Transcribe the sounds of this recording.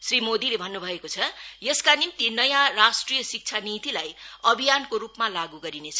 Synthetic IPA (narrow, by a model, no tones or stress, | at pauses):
srimod̪ilebʱʌnːubʱʌekot͡sʰʌjʌskanimt̪inʌjãrasʈrijʌsik̚t͡sʰanit̪ilajʌbʱijankoɾupmalaɡuɡʌɾinet͡sʰʌ